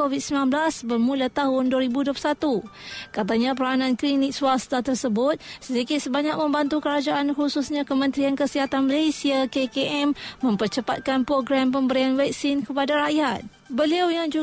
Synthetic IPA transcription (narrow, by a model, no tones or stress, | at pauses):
ovit̪̚səmilãnblasbərmulat̪aɦʊnduəɾibuduəplusat̪ukat̪aɲãp̬əɾanãnklinɪk̚suast̪at̪ərsəbʊt̪̚sədikɪt̪̚səbaɲak̚mə̃mbant̪ukəɾad͡ʒaʔanhususɲãkəmə̃nt̪ɾiankəsiɦat̪anməlesiakekeʔɛmːə̃mpərt͡ʃəpat̪̚kanpɾoɡɾampəmbəɾianwɛk̚sinkəpadaɾaʔjat̪̚ | bəliawjaŋd͡ʒu